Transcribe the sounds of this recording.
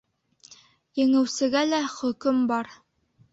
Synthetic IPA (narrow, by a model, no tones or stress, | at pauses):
jɘ̆ŋɘ̆wsɘ̆ɡælæχɵ̆kɵmbɑɾ